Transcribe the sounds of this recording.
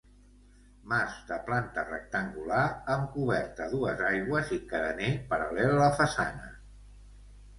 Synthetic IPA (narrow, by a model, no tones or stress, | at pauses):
mazd̪əplant̪ərə̰k̚t̪əŋɡulaɾəŋkuβɛɾt̪əðuəzajɣwəzikəɾənepəɾəlɛlələfəsa̰nə